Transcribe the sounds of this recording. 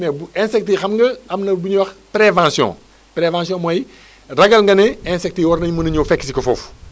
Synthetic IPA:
nɛbuɛ̃sɛk̚tixɐmŋɡɐɐmnɐbuɲuwɐxpɾevãsjɔ̰̃ | pɾevãːsjɔ̃mɔj | rɐɡɐlŋɡɐnɛɛ̃sɛk̚tiwɔrnɐɲmunɐɲofɛkːsikɐfɔ̰ːf

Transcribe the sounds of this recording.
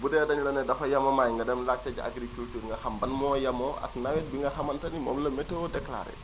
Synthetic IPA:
budɛdɐnilɐnɛdɐfɐjɐmɔmaːjŋɡɐdɐmlak̚tɛd͡ʒaʔa̰ɡɾikultuːɾŋɡɐhɐmbɐnmɔːjɐmɔa̰knɐwɛt̚biŋɡɐhɐmɐntɐnimɔ̰mlɐmɛtodɛkla̰ɾɛ̰

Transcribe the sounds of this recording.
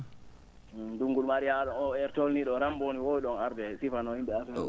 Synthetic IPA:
duŋɡulmaɾihaɗɔnɔɛɾtolniɗɔɾamboniwowiɗɔnaɾdɛsifanɔhimɓɛasɛɔ

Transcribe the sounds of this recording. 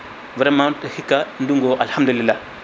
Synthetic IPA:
vaɾamantahikanduŋɡoʔalhamdulilːa

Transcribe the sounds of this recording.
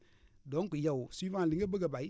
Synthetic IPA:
dɔ̃ŋkujawsiːfãːlɨ̃ɡəbəɡəbai

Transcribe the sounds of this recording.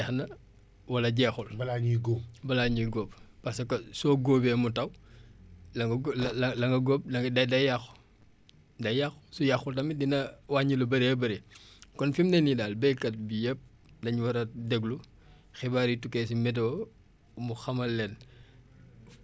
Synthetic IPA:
ɛxnɐ | wɐlɐɟɛːxulbɐlaɲɡoːbɐlaːɲuɡɔːppɐsɐkɐsɔːɡoːbɛmutɐw | lɐŋɡɐlɐŋɡɐɡɔːp̚ɐdɐdɐjax | dɐjaxsujaxultɐmidinɐwaɲilubɐɾebɐɾekɔnfimnɛnidaːlbɛjkɐt̚bijəp̚ | dɐɲwɐɾɐdɛɡlu | xɛbaːɾitukːɛsimɛdɔː | muxɐmɐlːɛn

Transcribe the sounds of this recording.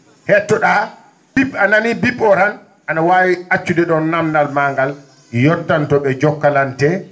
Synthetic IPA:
hɛtːɔɗa | bibanamibibːɔɾan | ʔanawaːwiat͡ʃːudɛɗɔnːamnalmaŋɡal | jɔtːantɔɓɛd͡ʒɔkːalantɛ

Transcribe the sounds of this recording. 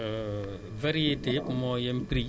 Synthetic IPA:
vaɾietepʊmɔjɛm̩pɾi

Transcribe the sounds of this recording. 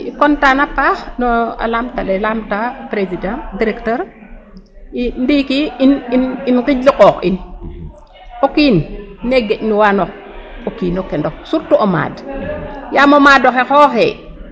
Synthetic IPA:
ikɔntanapaxnɔa̰lamtalelamtapɾesidandiɾɛktəɾ | indikiinininkiɟliqɔːxḭn | okinneɡecniwanok | okinokɛndoksuɾtuʔoma̰ːd | jamomaːdoxexɔːxɛ̰

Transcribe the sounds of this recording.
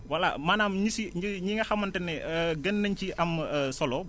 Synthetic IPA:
wɐlːa̰maːnaːmɲisiɲiɲiŋɡɐxɐmːɐntɐnɛəɡɐnːɐɲciʔɐmːsɔlɔ

